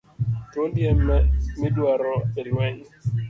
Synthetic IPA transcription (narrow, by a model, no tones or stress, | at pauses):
todjammɪdwaɾɔelwɛɲ